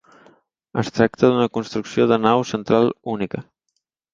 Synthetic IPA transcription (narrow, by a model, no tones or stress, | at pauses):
ə̰st̪ɾak̚t̪əðunəkunst̪ɾuksioðənawsənt̪ɾalˠunikə